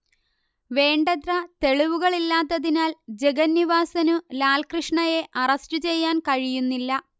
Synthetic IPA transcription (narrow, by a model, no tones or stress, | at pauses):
ʋe̞ːɳɖɐt̪rɐt̪e̞ɭiʋuɣɐɭilːaːt̪ːɐðinaːld͡ʑeɡɐnːiʋaːsɐnulaːlkrɨʂɳɐje̞ʔɐrɐstɨt͡ɕe̞jːaːnkɐɻijunːilːɐ